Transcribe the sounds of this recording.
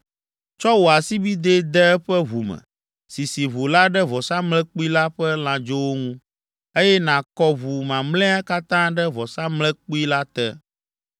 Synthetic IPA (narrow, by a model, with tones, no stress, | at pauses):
t͡ʃɔ˦wo˨a˨si˦bi˦d̪e˦d̪ɛ˦ɛ˦ɸɛ˦βu˨mɛ̰̃˨ | si˨si˨βo˨la˦ɖɛ˦vɔ˨sa˦mlɛ̃˦k͡pu˦i˦la˦ɸɛ˦l̃ã˨d͡ʒo˦wo˦ŋũ˦ | e˦jɛ˦nã˨kɔ˦vu˨mã˨mlɛ̃˦a˦ka˦t̪ã˦ɖɛ˦vɔ˨sa˦mlɛ̃˦k͡pu˦i˦la˦t̪ɛ˦